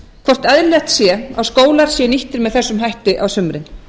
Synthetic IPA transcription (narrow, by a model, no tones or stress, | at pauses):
kʰvɔr̥t̪ɛðɾlɛht̪sjɛawskoːwlaɾ̥sjɛniht̪ɪɾmɛðθɛsːʏmɦajht̪ɪʔawsʏmɾɪn